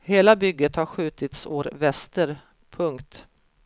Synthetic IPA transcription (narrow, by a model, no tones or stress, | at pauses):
heːlabʏɡːət̪haɾɧʉ̟ːt̪ɪt̪so̰ːɾvɛst̪əɾ | pʰɵŋkt̪